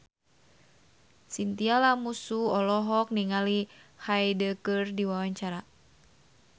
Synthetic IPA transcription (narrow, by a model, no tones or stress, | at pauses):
sint̪ialamusuɔlɔɦɔk̚niŋalihajdəkɨrdiwawaɲt͡ʃaɾa